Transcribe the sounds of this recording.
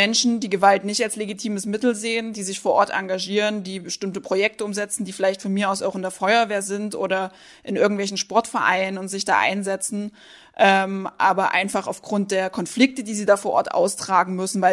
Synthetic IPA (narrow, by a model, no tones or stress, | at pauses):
mɛnʃn̩diːɡəvaltnɪçtalsleɡitʰiːməsmɪtl̩zeːəndiːzɪçfoːɐʔɔɐtʔa̰ŋɡaʒiːʁəndiːbəʃtɪmtəpʁ̥ojɛk̚təʊmzɛt͡sn̩diːfɪlaɪçtfɔnmiːɐaʊsa̰ʊxɪndeːɐfɔʏɐveːɐzɪntʔo̰ːɾɐ | ʔɪnʔɪɐɡŋ̩tvɛlç̬n̩ʃpɔɐtfɛɐʔa̰ɪnənʊntz̥ɪçd̥a̰ːʔa̰ɪnzɛt͡sn̩ | ʔɛːmʔaːbɐʔa̰ɪnfaχaʊfɡ̥ʁʊnt̚d̥eːɐkʰɔnflɪk̚tədiːziːdaːfoːɐʔɔ̰ɐtʔa̰ʊstʁ̥aːɡŋ̩mʏsn̩vaɪ